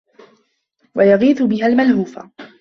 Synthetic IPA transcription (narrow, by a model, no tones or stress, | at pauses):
wajaɣiːθʊbɪhalmalhuːfa̰